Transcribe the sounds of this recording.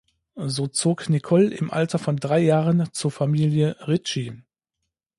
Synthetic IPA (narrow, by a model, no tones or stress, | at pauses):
zoːt͡soːknikʰɔlɪmʔa̰ltɐfɔndʁaɪjaːʁənt͡suːɐfamiːljəʁɪt͡ʃi